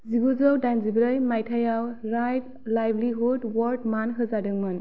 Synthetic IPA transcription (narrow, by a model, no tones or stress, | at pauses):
ziɡuzɯwdajnzibɾɯjmajtʰajawɾajt̚ | lajbliɦudwɔɾd̚manɦɯzadɯŋmɯn